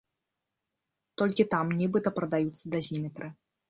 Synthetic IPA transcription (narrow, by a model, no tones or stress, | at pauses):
t̪ɔlʲkʲit̪amnʲibɨt̪ɐpɾɐd̪ajut̪sːɐd̪ɐzʲimʲɛt̪ɾʔɨ